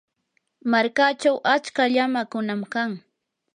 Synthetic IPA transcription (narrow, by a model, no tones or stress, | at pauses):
maɾkat͡ʃawʔat͡ʃkaʎamakʊnamkaŋ